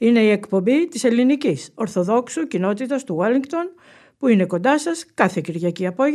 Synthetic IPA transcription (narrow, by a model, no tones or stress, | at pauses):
ine̞ie̞kpo̞mbit̪ise̞liniciso̞ɾθo̞ðo̞ksucino̞t̪it̪ɐst̪uwɐliŋkt̪o̞n | puine̞ko̞nd̪ɐsɐskɐθe̞ciɾʝɐciɐpo̞